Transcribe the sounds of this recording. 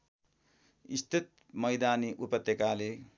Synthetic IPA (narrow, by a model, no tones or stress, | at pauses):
ist̪ʰit̪̚mʌjd̪aːniʔupʌt̪ːjekale